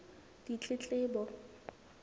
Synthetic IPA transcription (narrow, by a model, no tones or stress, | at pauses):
dit͡ɬʼɪt͡ɬʼɪːbɔ